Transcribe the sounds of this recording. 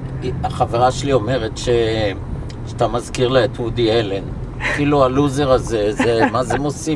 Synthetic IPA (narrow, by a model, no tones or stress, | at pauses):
aχave̞ʁaʃelio̞me̞ʁetʃe | ʃat̪amazkiʁleet̪ud̪ielen | afilualuze̞ʁazezemazemosi